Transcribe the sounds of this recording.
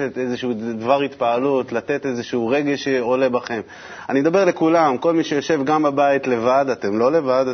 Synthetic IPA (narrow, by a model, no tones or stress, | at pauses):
et̪ezeʃuud̪vaʁhit̪paːlut̪lat̪e̞t̪e̞zeʃuuʁe̞ɡe̞ʃeo̞le̞baχe̞m | animed̪abe̞ʁle̞kulamko̞lmiʃe̞jo̞ʃe̞vɡambabait̪le̞vad̪at̪e̞mlo̞le̞vad̪